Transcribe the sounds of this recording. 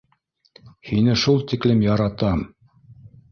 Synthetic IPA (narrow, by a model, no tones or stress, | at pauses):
hinɘʃulˠt̪iklɘmjɑɾɑt̪ɑm